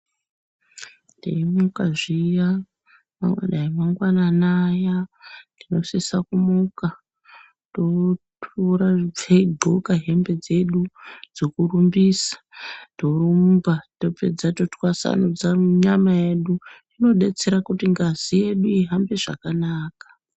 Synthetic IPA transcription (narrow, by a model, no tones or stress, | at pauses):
dḛimukaʐija | ma̰ŋwa̰naemaŋɡwananajandino̞sisakumuka | totʰuɾab͡veiɡʱokaɦe̞mbe̞d͡ze̞ɗud͡zokurumbiːsḁto̞rumbatope̞̰d͡zatotwasa̰nud͡zaɲamaje̞ɗundino̞ɗe̞t͡se̞ɾakutiŋɡazije̞ɗuiɦambe̞ʐa̰kanaːkḁ